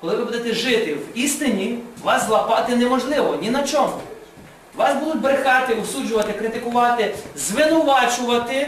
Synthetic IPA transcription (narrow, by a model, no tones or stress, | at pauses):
kɔlˠɪʋɪbud̪ɛt̪ɛʒɪt̪ɪwist̪ɪnʲiʋɑslˠɐpɑt̪ɪnɛmɔʒlˠɪʋɔnʲinɐt͡ʃɔmʊ | ʋɑsbud̪ʊtʲbɾexɑt̪ɪʊsud͡ʒʊʋɐt̪ɪkɾɪt̪ɪkʊʋɑt̪ɪzʋɪnʊʋɑt͡ʃʊʋɐt̪ɪ